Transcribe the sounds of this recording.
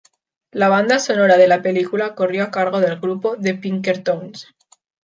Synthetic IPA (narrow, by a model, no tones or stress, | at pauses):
laβ̞and̪asonoɾaðelape̞likulakorjoakaɾɣ̞oðe̞lɣɾupoðe̞piŋkeɾt̪ons